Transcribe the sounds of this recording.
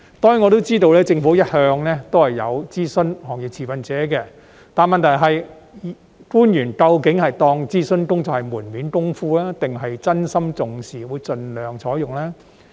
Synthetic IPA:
t̪ɔː˥ŋjŋɔ˨˧t̪o˥wt͡siː˥t̪o˧wlɛː˥t͡sɪ˧ŋfu˨˥jɐ˥t̚hœː˧ŋlɛː˥t̪o˥whɐ˨jːɐ̰˨˧wt͡siː˥sɵ˥nhɔː˨˩ŋjɪ˨˩t͡sʰiː˨˩fɐ˨˧nt͡sɛː˨˥kɛː˧ | t̪aː˨nmɐ˨nt̪ʰɐ˨˩jɦɐ˨j | kuː˥njyː˨˩nkɐ˧wkɪ˨˥ŋhɐ˨jt̪ɔː˧ŋt͡siː˥sɵ˥nkʊ˥ŋt͡sɐ˨whɐ˨˩jmuː˨˩nmiː˨˥nkʊ˥ŋfuː˥laː˥t̪ɪ˨ŋɦɐ˨jt͡sɐ˥nsɐ˥mt͡sʊ˨ŋsiː˨˩wuː˨˧jt͡sɵ˨nlœː˨ŋt͡sʰɔː˨˥jʊ˨ŋlɛː˥

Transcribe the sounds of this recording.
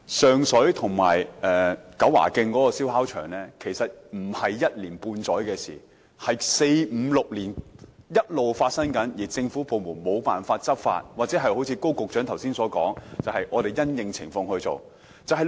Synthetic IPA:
sœː˨ŋsɵ˨˥ɥt̪ʰʊ˨˩ŋma̰ː˨˩jɛː˨kɐ˨˥wːa̰ː˨˩kɪ˧ŋkɔː˨˥kɔː˧siː˥wɦaː˥wt͡ʃʰœː˨˩ŋlɛː˥kʰe˨˩jsɐ˨t̚m̩˨˩hɐ˨jːɐ˥t̚liː˨˩npuː˧nt͡sɔː˨˥jkɛː˧sḭː˨˩ | hɐ˨jse˧jm̩˨˧˥lʊ˨k̚liː˨˩njɐ˥t̚lo˨wfaː˧t̚sɐ˥ŋkɐ˨˥njiː˨˩t͡sɪ˧ŋfuː˨˥po˨wmuː˨˩nmo˨˧wpaː˨nfaː˧t̚t͡sɐ˥p̚fa̰ː˧t̚waː˨t̚t͡sɛː˨˥ɦɐ˨jho˨˥wt͡sʰiː˨˧ko˥wkʊ˨k̚t͡ʃœ˨˥ŋt̪ʰwsiː˥nsɔː˨˥kɔː˨˥ŋt͡sɐ˨whɐ˨jʔɔː˨˧ɾe˨jjɐ˥njɪ˧ŋt͡sʰɪ˨˩ŋfɔː˧ŋhɵ˧ɥt͡so̰˨w | t͡sɐ˨wɦɐ˨j

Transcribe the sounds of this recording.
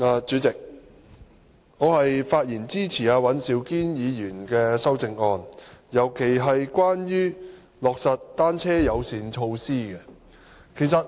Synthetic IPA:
aː˧t͡ʃyː˨˥t͡sɪ˨k̚ | ŋɔː˨˧hɐ˨jfaː˧t̚jiː˨˩nt͡siː˥t͡sʰiː˨˩aː˧wɐ˨˥nsiː˨˧wkiː˥njiː˨˧jyː˨˩nkɛː˧sɐ˥wt͡sɪ˨ŋɔː˧njɐ˨˩wkʰe˨˩jɦɐ˨jkʷaː˥njyː˥ | lɔː˨k̚sɐ˨t̚t̪aː˥nt͡sʰɛː˥jɐ˨˧wsiː˨˧nt͡ʃʰo˧wsiː˥ɡɛ˧ | kʰe˨˩js̬ɐ˨t̚

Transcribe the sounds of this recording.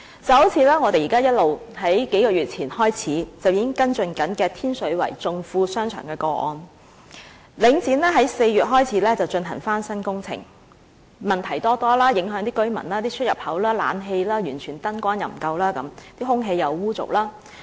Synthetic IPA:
t͡sɐ˨who˨˥wt͡sʰiː˨˥lɛː˥ŋɔː˨˧t̪e˨jiː˨˩kaː˥jɐ˥t̚lo˨wɦɐ˨˥jke˨˥jkɔː˧ɥyː˨˩t̚t͡sʰiː˨˩nhɔː˥jt͡sʰiː˨˥t͡sɐ˨wjiː˨˥ɪ˥ŋkɐ˥nt͡ʃɵ˧nkɐ˨˥nkɛː˧t̪ʰiː˥nsɵ˨˥ɥwɐ̰˨˩jt͡sʊ˨˧ŋfuː˧sœː˥ŋt͡ʃʰœ̰ː˨˩ŋkɛː˧kɔː˧ʔɔ̰ː˧n | lɪ˨˥ŋt͡siː˨˥nlɛː˥ɦɐ˨˥jse˧jɥyː˨t̚ɦɔː˥jt͡sʰiː˨˥lɛː˥t͡sɐ˨wt͡ʃɵ˧nɦɐ˨˩ŋfaː˥nsɐ˥nkʊ˥ŋt͡sʰɪ̰˨˩ŋ | mɐ˨˩nt̪ʰɐ˨˩jt̪ɔː˥t̪ɔː˥laː˥jɪ˨˥ŋɦœː˨˥ŋt̪iː˥kɵ˥ɥmɐ̰˨˩nlaː˥t̪iː˥t͡ʃʰt̚jɐ̰˨˩p̚hɐ˨˥wlaː˥la̰ː˨˥nɦe˧jlaː˥jyː˨˩nt͡ʃʰyː˨˩nt̪ɐ˥nkʷaː˥njɐ˨˩m̩˨˩kɐ˧wlaː˥kɐ˨˧˥mt̪iː˥hʊ˥ŋɦe˧jːɐ˨˧wːuː˥t͡sʊ̰˨˩k̚laː˥

